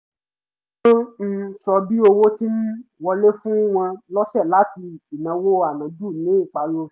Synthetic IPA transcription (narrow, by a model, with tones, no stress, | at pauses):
o˦n̩˦sɔ˧bi˦o˧wo˦ti˦n̩˦wɔ˧le˦fũ˦w̃ã˧lɔ˦ʃɛ˦˨la˨˦ti˧i˨nã˨˦wo˦a˦˨nã˨˦d͡ʒu˦˨nĩ˨˦i˦˨k͡pa˨˧ɾo˧˨